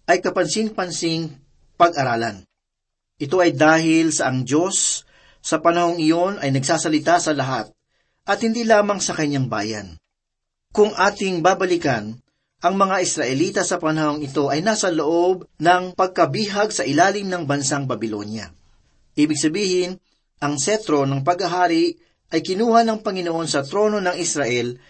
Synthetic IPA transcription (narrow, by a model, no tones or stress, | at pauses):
ʔɐjkɐpɐnsɪŋpɐnsɪŋ | pɐɡʔɐɾaːlɐn | ʔɪt̪o̞ʔɐjd̪aːɦɪlsɐʔɐŋd͡ʒo̞sː | ɐpɐnɐho̞ŋɪjo̞nʔɐjnɐɡsaːsɐlɪt̪asɐlɐɦat̪̚ | ʔɐt̪̚hɪnd̪iːlaːmɐŋsɐkɐɲːaŋba̰ːjɐ̰n | kʊŋʔaːt̪ɪŋbaːbɐlikɐn | ʔɐŋmɐŋaʔɪsɾɐʔɛliːt̪ɐsɐpɐnɐho̞ŋɪt̪o̞ʔɐjnaːsɐlo̞ʔo̞b̚nɐŋpɐɡ̚kɐbiːɦɐɡsɐʔɪlaːlɪmnɐŋbɐnsaŋbɐbɪlo̞̰njɐ̰ | ʔiːbɪɡ̚sɐbiːhɪn | ʔɐŋsɛt̪ɾo̞nɐŋp̬ɐɡɐɦaːɾɪʔ | ʔɐjkɪnuːhɐnɐŋpɐŋɪno̞ʔo̞nsɐt̪ɾo̞no̞nɐŋɪsɾaʔɛl